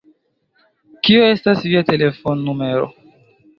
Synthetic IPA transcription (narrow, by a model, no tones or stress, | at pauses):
kioe̞stasviate̞lefonːume̞ɾo̰